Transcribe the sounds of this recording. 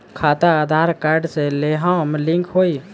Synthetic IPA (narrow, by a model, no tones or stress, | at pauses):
kʰaːt̪aad̪ʱaːɾkaːɾɖseleɦamlɪ̃ŋkʰɦoːi